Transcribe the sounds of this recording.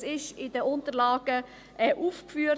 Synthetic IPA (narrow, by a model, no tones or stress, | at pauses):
sɪʃɪdəʊntəɾlɑːɡ̥ə | ʔɛːʔuːfkfyːə